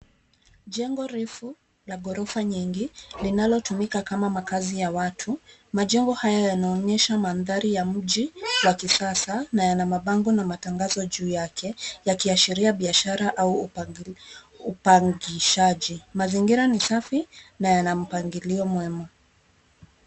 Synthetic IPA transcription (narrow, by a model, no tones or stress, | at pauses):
ʄɛŋɡɔɾifu | laɡɔɾɔfaɲiŋɡilinalɔtumikakamamakazijawatʰumaʄɛŋɡɔhajajanaɔɲɛʃamanðaɾijam̩ʄiwakisasanajanamaɓaŋɡɔnamataŋɡazɔʄuːjakʰɛjakiaʃiɾiaɓiaʃaɾaʔau | upaŋɡiʃaʄimaziŋɡiɾanisafinajanam̩paŋɡiliɔmwɛma